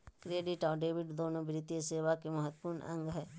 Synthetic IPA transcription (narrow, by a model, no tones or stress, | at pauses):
kɾeːɖiʈaːɖeːʋɪɖd̪oːnõːbɾɪt̪jeseːʋakeməɦət̪ːpʊɾɳʔə̰̃ŋɡɦɛː